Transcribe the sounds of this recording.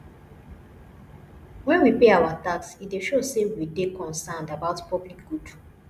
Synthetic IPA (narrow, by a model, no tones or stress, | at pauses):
wɛ̃nwipeawataksit̚deʃosewidekɔ̃nsãndabaʊtpɔblik̚ɡud̥